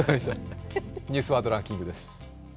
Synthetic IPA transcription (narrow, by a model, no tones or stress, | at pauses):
ɡaɕ | ɲʲɨːsɨβaːd̪o̞ɾãŋkʲĩŋɡɯ̟d̪e̞sɨ̥